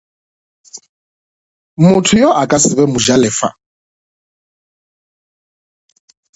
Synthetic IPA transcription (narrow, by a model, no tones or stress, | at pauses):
mutʰujɔʔakʼasiβɛmuʒalɛːfa̰